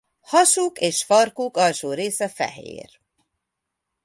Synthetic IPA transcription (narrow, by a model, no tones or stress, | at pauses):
hɒʃukeːʃfɒrkukɒlʃoːɾeːsɛfɛ̰ɦḛːr